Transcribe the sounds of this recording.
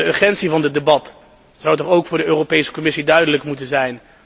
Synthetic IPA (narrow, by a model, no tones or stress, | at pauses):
əøɹχɛntsivɑndətdebɑt | z̥awtɔχowkfʊːɹdəøːrowpejsə̥kɔmɪsidœɥdələkmutənzɛjn